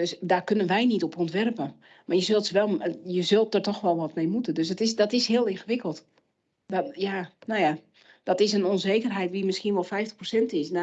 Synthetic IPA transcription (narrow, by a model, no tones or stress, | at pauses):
døsdarkønənʋɛjnitɔpɔntʋɛrpə | marjəzølˠtsəʋɛlˠjəzølˠt̚dərtɔxʋɛlˠʋɔtmejmutəndøsətɪsdɔtɪshɪəlˠɪnxəʋɪkəlˠt | djanowja | dɔtɪsənonzeːkərɦɛjtʋimɪskiənʋɔlˠfɛjftə̥xprosɛntɪsna